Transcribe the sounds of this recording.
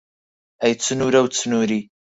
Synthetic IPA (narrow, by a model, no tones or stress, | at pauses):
ɐjt͡sʰɨnuɾɐwt͡sʰɨnuɾi